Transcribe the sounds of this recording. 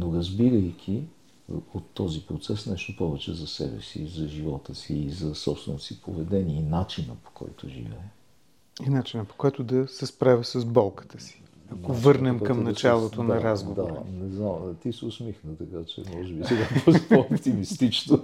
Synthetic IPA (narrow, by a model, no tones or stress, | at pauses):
noɾəzbiɾəjkʰʲi | ot̪ːɔzipɾot̪sɛsnɛʃt̪opɔvɛt͡ʃɛzɐsɛ̰bɛ̰sḭzɐʒivɔt̪əsiːzɐsɔ̰pst̪vɛnosipovɛd̪ɛniəinat͡ʃinə̰po̥kʰɔ̰jt̪oʒḭvɛɛ | inat͡ʃinəpo̥kɔɛt̪ʊd̪ɐsɛspɾavʲəsɐzbɔlˠkə̥t̪ə̥si̥ | ɐkovɤɾnɛmkɐmnɐt͡ʃalˠot̪onɐɾazɡovaɾ̰nɛznamt̪isɛʊsmixnət̪ɐkat͡ʃɛ̰mɔʒɛbissɛɡapɔzpoopt̪imist̪it͡ʃno